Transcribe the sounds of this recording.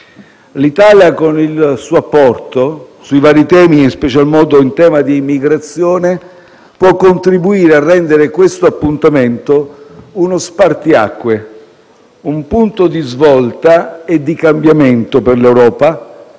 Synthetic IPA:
lit̪aljakonilsuːapːɔrt̪o | suivaːɾit̪ɛːmiːnspɛt͡ʃalmɔːd̪oint̪ɛːmad̪iːmːiɡɾat̪sːjɔːne | pwɔkːont̪ɾibuiːɾearːɛnd̪eɾekwest̪oapːunt̪ament̪ounospart̪ia̰kːwe | umpunt̪od̪izvɔlt̪aed̪ːikambjament̪operlewɾɔːpa

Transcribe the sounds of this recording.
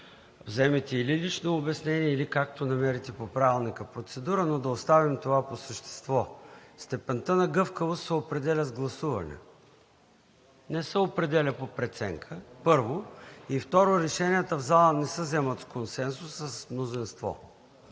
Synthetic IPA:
vzɛmit̪ɛililit͡ʃnoːbɛsnɛniɛilikak̚t̪onɐmɛɾit̪ɛpopɾavilˠnikəpɾot̪sɛd̪uɾənod̪ɐost̪avimt̪ovaposəʃt̪ɛ̥st̪vɔst̪ɛpɛnt̪ənɐɡɤfkəvost̪sɛopɾɛd̪ɛlʲəzɡlˠɐsuvɐ̰nɛ̰ | nɛsɛopɾɛd̪ɛlʲəpopɾɛt̪sɛ̰ŋkʰəpɤɾvoift̪ɔɾoɾɛʃɛniɛt̪əvzalˠənɛsəzɛmət̪skonsɛnsusːəsmnozinst̪vɔ̰

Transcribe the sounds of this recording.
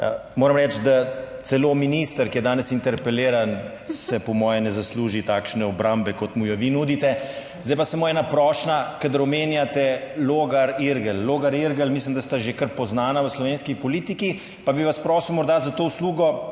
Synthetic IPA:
moːɾɐmɾɛt͡ʃd̪at̪sɛloːminist̪əɾkijɛd̪aːnɛsint̪ɛɾpɛleːɾan | sɛpɔmɔːjɛnɛzasluːʒit̪aːkʃnɛɔbɾambɛkɔt̪mujɔʋinuːd̪it̪ɛ | zd̪ajpasamoɛːnapɾɔʃnakad̪əɾɔmeːnjat̪ɛloɡaɾiɾɡəlːoːɡaɾiɾɡəlmis̬limd̪ast̪aʒekəɾpɔznaːnaʋəslɔʋeːnskipɔlit̪iki | pabiʋaspɾɔːsiwmɔɾd̪azat̪oːwsluːɡɔ

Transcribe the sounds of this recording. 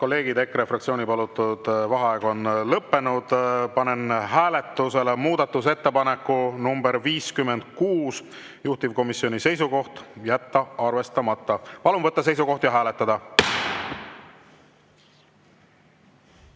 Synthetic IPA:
ko̞lːe̞ːɡ̥id̪̥e̞krefrɑkt̪sio̞ːnipɑlut̪ːˑud̪̥vɑɦɑeːɡ̥o̞nlɤpːe̞nud̪̥pɑne̞nɦæːle̞t̪ːˑuse̞lemuːd̪̥ɑt̪ˑːus̬e̞t̪ːepɑne̞kːˑunumbeɾviːskymːe̞nd̪̥̚kuːs | juht̪ivko̞misio̞nʲise̞jsuko̞ht̪jæt̪ːɑɑrve̞st̪ɑmɑt̪ːˑɑpɑlunvɤt̪ːˑɑs̬e̞jsuko̞ht̪jɑɦæːle̞t̪ːˑɑd̪̥ɑ

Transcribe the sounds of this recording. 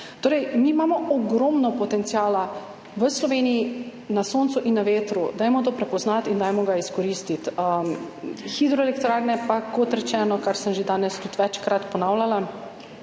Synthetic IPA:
t̪oːɾɛjmiːmaːmɔɔɡɾɔmnɔpɔt̪ɛnt̪siaːla | ʋəslɔʋeːniji | nasoːnt̪suʔinːaʋeːt̪ɾud̪aːjmɔt̪oːpɾɛpɔznat̪ind̪aːjmɔɡaiskɔɾiːst̪it̪ə | xid̪ɾɔɛlɛkt̪ɾaɾnɛpakot̪ɾɛt͡ʃɛːnɔkaɾsəmʒed̪aːnɛst̪ut̪ʋɛt͡ʃkɾat̪pɔnawlʲala

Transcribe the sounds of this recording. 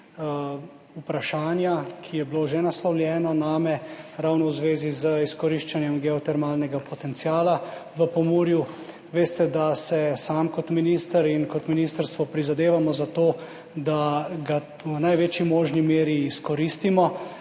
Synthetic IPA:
upɾaʃaːnjakʰijɛbiloʒɛnaslɔwlʲjɛːnɔnaːmɛɾawnɔwzʋeːzizəiskɔɾiʃt͡ʃanjɛmɡɛɔt̪ɛɾmaːlnɛɡapɔt̪ɛnt̪sjaːlaʋəpɔmuːɾju | ʋeːst̪ɛd̪asɛsaːmkɔt̪miniːst̪əɾinkɔt̪miniːst̪əɾst̪ʋɔpɾizad̪eːʋamɔzat̪oː | d̪aɡa | wnajʋeːt͡ʃjimoːʒnimeːɾiːskɔɾist̪imɔ

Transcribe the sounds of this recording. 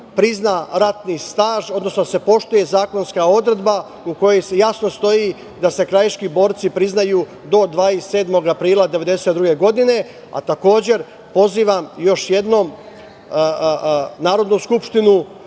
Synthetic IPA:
pɾiznaːɾat̪nist̪aːʒo̞d̪nosnod̪ase̞po̞ʃt̪uje̞zaːko̞nskao̞d̪ɾe̞d̪ba | uko̞josejasno̞st̪o̞jiː | d̪ase̞kɾajʃkibo̞ːɾt̪sipɾiznajuː | d̪o̞d̪ʋaːise̞ːd̪mo̞ɡapɾiːlˠad̪e̞ʋe̞d̪e̞se̞t̪d̪ɾuɡe̞ɡo̞d̪ine̞ | a̰t̪ako̞ːd͡ʑe̞ɾ | po̞ziːʋamjo̞ʃje̞d̪no̞m | naːɾo̞d̪nuskupʃt̪inu

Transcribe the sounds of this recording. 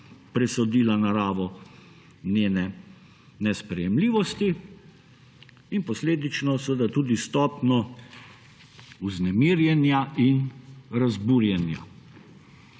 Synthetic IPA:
pɾɛsɔd̪iːlanaɾaːʋɔ | neːnɛ | nɛspɾɛjɛmliːʋɔst̪i | inpɔsleːd̪it͡ʃnɔsəʋəd̪at̪uːd̪ist̪ɔːpnɔ | uznɛmiːɾjɛnjaʔinɾazbuːɾjɛnja̰

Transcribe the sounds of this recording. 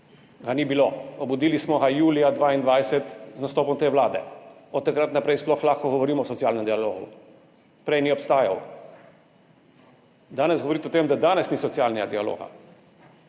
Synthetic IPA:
ɡanibiloɔbud̪iːlismɔɡajuːlijad̪ʋaːind̪ʋajsɛt̪znast̪oːpɔmt̪eːʋwlaːd̪ɛ̰ɔt̪ːakɾat̪napɾɛjsplɔxlaːxkɔɡɔʋɔɾiːmɔːsɔtsiaːlnɛmd̪ialoːɣṵ | pɾɛjniɔpst̪aːja̰w | d̪aːnɛsɡɔʋɔɾit̪ɛɔt̪emd̪ad̪aːnɛsnisɔt̪siaːlnɛɡad̪ialo̰ːɣa̰

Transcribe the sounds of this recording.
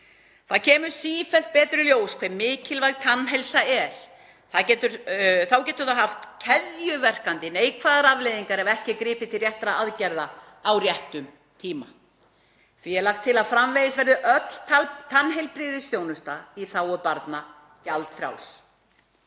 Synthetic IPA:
θaðcʰɛːmʏɾ̥siːfɛl̥t̪̚pɛːt̪ɾʏljoːwskʰvɛmːɪːcɪlvajɣt̪ʰanːɦɛjlsaɛɾ̥ | θaðcɛːt̪ʏɾθawcɛːt̪ʏɾ̥θaðɦaft̪cʰɛðjʏvɛr̥kant̪ɪneːjkʰvaːðaɾavlejðiŋkaɾɛvɛhcɪkɾɪːpɪt̪ʰɪlrjɛht̪ɾaaðcɛɾða | awrjɛht̪ʏm | t̪ʰiːma̰ | θviɛɾlaxt̪ʰːɪlaðfɾamvejðɪsvɛɾðɪʔœt̪l̥ʰat̪ʰanɦejlpɾɪːðɪst̪jownʏst̪aiθawɔðpaɾt̪na | calt̪fɾja̰ws

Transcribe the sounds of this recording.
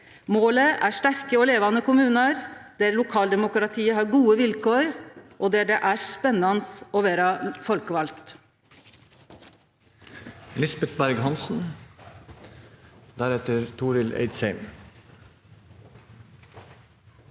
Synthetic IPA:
moːləʔæːʂʈ̪æɾkəɔːleːʋɑnəkʊmʉːnəɾd̪̥eːɾlʊkʰɑːld̪ɛmʊkɾɑt̪ʰiːəɦɑːɾɡuːəʋɪlkʰoːɾʔɔd̪eːɖɛʔæːspɛnːɑnəsɔːʋeːɾɑfɔlkəʋɑlkt̪ | lɪsbɛt̪bæɾɡɦɑnsn̩ | d̪æɾɛt̪əɾt̪ʰuːɾɪlḛɪd̪shæɪm

